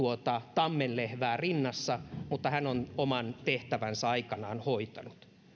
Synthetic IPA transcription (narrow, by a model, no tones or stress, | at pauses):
uot̪ɑt̪ɑmːenlehʋæːrinːɑsːɑmut̪ːɑhænonomɑnt̪eht̪æʋænsɑɑikɑnɑːnhoit̪ɑnut̪